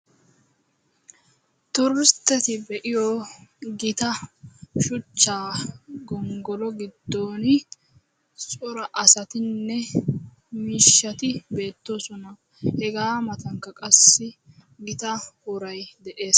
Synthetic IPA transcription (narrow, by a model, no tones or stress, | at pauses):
t̪ɔɾɪst̪ːɛt̪ɪbɛʔɪjɔɡɪt̪ɐʃʊt͡ʃːaːɡɔŋɡɔlɔɡɪd̪ːoːnɪ | sʼɔɾɐʔɐsɐt̪ɪnːɛ | miːʃːɐt̪ɪbe̞ːt̪ːo̞ːsɔnɐ | hɛɡaːmɐt̪ɐŋkːɐkʼɐsːɪ | ɡɪt̪ɐhʊɾɐjd̪ɛʔe̞ːs